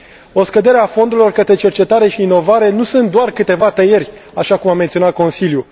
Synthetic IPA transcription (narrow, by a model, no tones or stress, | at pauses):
o̞skəd̪e̞ɾeafo̞nd̪ulo̞rkət̪ɾe̞t͡ʃe̞rt͡ʃe̞t̪aɾe̞ʃiiːno̞vaɾe̞nusɨnt̪̚d̪oarkɨt̪e̞vat̪əjerʲaʃakumament̪sionat̪̚ko̞nsilju